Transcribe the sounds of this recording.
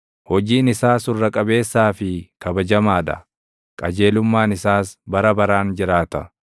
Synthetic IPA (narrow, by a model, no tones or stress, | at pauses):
hɔd͡ʒiːnɪsaːsʊrːɐkʼɐbe̞ːsːaːfɪkɐbɐd͡ʒɐmaːd̪ɐ̰ | kʼɐd͡ʒe̞ːlʊmːaːnɪsaːsbɐɾɐbɐɾaːnd͡ʒɪɾaːt̪ɐ